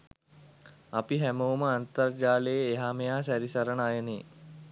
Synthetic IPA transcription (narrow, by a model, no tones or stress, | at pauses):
apiɦæməuməant̪ərd͡ʒaːlejeːɦamejaːsæɾisɐɾəɳajəne